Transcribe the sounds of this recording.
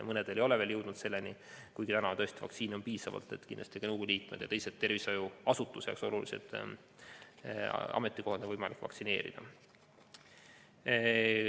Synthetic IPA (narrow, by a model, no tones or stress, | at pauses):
mɤne̞d̪̥elejo̞leveljɤwd̪nud̪se̞lːenikujɡit̪ænɑt̪ɤ̞est̪ivɑ̰k̪siːno̞npiːsɑvɑ̰lt̪ːˑe̞t̪ːkinl̥ɑst̪i̥ɑnɤwɡ̥ulʲiːt̪me̞d̪̥jɑ̰t̪ejset̪t̪ːe̞rvisojuɑsut̪ːˑusḛkso̞lulisḛd̪̥ | ɑ̰me̞t̪ːˑiko̞hɑd̪evɤjmɑlikːˑvɑ̰ksine̞ːɾḭd̪̥ɑ̰